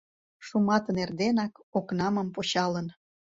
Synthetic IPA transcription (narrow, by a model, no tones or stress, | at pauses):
ʃumɑt̪ənerd̪enɑkoknɑməmpot͡ɕɑlən